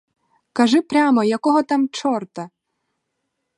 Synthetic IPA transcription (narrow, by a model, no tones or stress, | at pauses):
kɐʒɪpɾʲamɔjakɔɦɔt̪amt͡ʃɔrt̪ɐ